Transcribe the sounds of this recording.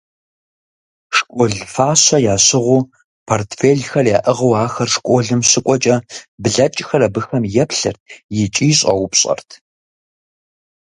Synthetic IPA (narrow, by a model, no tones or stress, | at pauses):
ʂkʷʼɔɮfaːɕɐjaːɕɪʁʷʊː | pʰortʰfeːɮxɐrjaːʔɨʁɐwaːxɐrʂkʷʼɔɮɨmɕɨkʷʼɔt͡ʃʼɐbɮɐt͡ʃʼxɐrɐbɨxɐmjɛpɬɨrt̚ʰjɪt͡ʃʼiːɕʼɐ̰wʊpɕʼɐ̰rtʰ